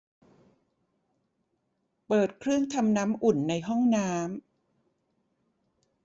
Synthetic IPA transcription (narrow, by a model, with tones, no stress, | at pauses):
pɤː˨˩t̪̚kʰɾɯ˥˩əŋt̪ʰa˧mnaː˦˥mʔu˨˩nːa˧jɦɔ˥˩ŋnaː˦˥m